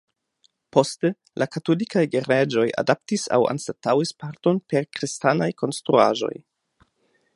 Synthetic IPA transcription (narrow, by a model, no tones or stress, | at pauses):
po̞ste | lʔakato̞likajɡeɾed͡ʒo̞ja̰dap̚tisa̰wa̰nstatawispaɾto̞npe̞ɾkɾistanajko̞nstɾṵa̰ʒo̞̰j